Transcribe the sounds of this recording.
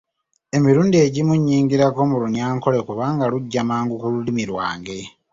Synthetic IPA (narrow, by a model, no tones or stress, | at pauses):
e̞miɾuːndieɟimuɲːiːŋɡiɾako̞muluɲaːŋko̞le̞kuβaːŋɡaluɟːamaːŋɡukululimiɾwa̰ːŋɡe̞